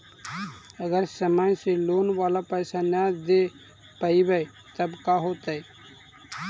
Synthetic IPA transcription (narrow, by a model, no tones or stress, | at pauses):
əɡəɾsəmajseloːnʋaːlapɛːsanjaːd̪e | pəibəe | t̪əbkaːɦoːt̪ae